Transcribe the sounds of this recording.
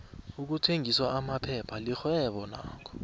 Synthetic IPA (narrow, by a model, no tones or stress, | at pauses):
uk̬utʰeŋʱiswaamapʰɛpʰalixwɛɓɔna̰ːkʰɔ̥